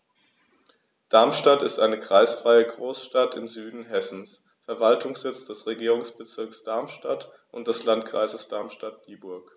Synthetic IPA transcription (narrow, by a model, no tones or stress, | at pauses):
d̥aɐmʃtatɪstʔaɪnəkʁ̥aɪsfʁ̥aɪəɡʁoːsʃtatɪmzyːdn̩ɦɛsn̩s | fɛɐvaltʊŋsz̥ɪt͡sd̥ɛsʁeɡiːʁʊŋsb̥ət͡sɪɐksd̥aɐmʃtat | ʔʊntd̥ɛslantkʁ̥a̰ɪzəsd̥aɐmʃtat̚d̥iːbʊɐk